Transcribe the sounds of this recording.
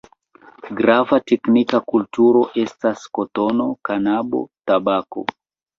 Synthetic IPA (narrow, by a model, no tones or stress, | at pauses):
ɡɾavateknikakultuɾo̞ʔe̞staskoto̞no̞kanabo̞̰tabako̞̰